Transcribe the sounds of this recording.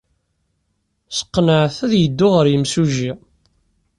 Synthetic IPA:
sə̥qːnəʕθæðjəd̪ːʊʁəɾjəmsuʒi

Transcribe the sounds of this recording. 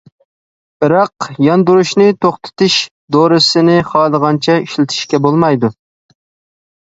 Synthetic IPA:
b̥ɨɾɑqjɑnd̪uɾuʃnɪt̪ʰoχt̪ʰɨ̥t̪ʰɪʃ | d̪oɾɨsɪnɪχɑːlˠəʁɑnt͡ʃʰɛiʃlɪt̪ʰɪ̥ʃkʲɛbolˠmɑjd̪u

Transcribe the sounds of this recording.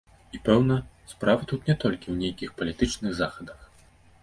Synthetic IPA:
ipɛwnɐ | spɾavɐt̪ut̪nʲɛt̪ɔlʲkʲiwnʲejkʲixpɐlʲit̪ɨt͡ʂnɨɣzaxɐd̪ɐx

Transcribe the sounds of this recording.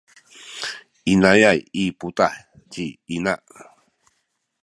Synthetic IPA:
inajajiputaħ | ciinaʔ

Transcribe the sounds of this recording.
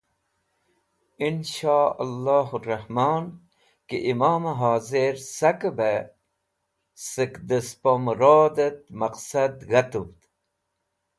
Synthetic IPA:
inʃaːalːaːɦurɐhmaːn | kḛʔimaːmeɦaːzeɾsɐkbe | səkd̪əspomɾaːd̪et̪̚mɐqsɐd̪ɣɐt̪ut̪

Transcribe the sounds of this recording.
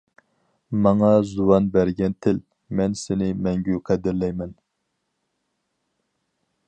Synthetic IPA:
mɑŋɑzuwɑnbæɾɡʲɛnt̪ʰɪl | mɛnsɪnɪmɛŋɡʲyqʰɛd̪ɪɾlɛjmɛn

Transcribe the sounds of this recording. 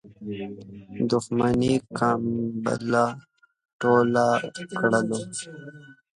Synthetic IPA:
d̪ʊxmanikaːmbə̰la | ʈolakɽəlo

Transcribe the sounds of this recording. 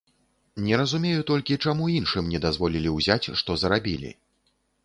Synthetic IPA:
nʲɛɾɐzumʲejut̪ɔlʲkʲit͡ʂamuinʂɨmnʲɛd̪azvɔlʲilʲiwzʲat͡sʲʂt̪ɔzɐɾabʲilʲḭ

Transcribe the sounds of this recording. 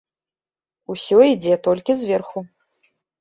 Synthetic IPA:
usʲɔid͡zʲɛt̪ɔlʲkʲizʲvʲɛrxu

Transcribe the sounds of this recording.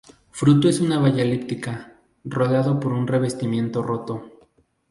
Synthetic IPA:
fɾut̪oe̞sunaβaʝalipt̪ika | ro̞ðeaðo̞po̞ɾunre̞βe̞st̪imje̞nt̪o̞ro̞t̪o̞

